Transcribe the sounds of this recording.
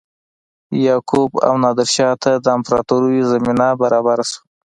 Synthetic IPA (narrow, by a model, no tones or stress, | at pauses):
jɑkoba̰wnɑd̪ɪɾʃɑt̪ad̪əːmpɾɑt̪uɾujizaminabaɾɑbaɾasu̥